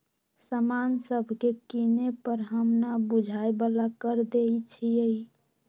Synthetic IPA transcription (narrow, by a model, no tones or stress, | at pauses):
səmansəbʱkekinepəɾɦəmnabud͡ʒʱaebalakəɾd̪eit͡ʃʰiəi